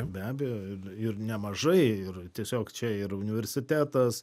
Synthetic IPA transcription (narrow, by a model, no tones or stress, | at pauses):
bʲæːbʲɛjoːɪrɪrnʲɛmɐʒɐɪɪrt̪ʲiɛsʲoːkt͡ʃʲɛɪɾʊnʲɪʋʲɛɾʲsʲɪt̪ʲæːt̪ɐs